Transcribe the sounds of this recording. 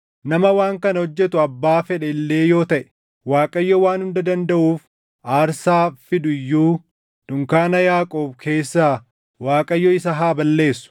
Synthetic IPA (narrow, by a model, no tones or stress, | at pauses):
nɐmɐwaːŋkɐnɐhɔd͡ʒːɛt̪ʊɐbːaːfɛᶑɛɪlːe̞ːjo̞ːt̪ɐʔɛ̥ | waːkʼɐjːɔwaːnhʊnd̪ɐd̪ɐnd̪ɐʔuːf | ʔaːɾsaːfɪd̪ʊɪjːuː | d̪̥ʊŋkaːnɐjaːkʼoːbkʰe̞ːsːaː | waːkʼɐjːɔɪsɐɦaːbɐlːe̞ːsːʊ̥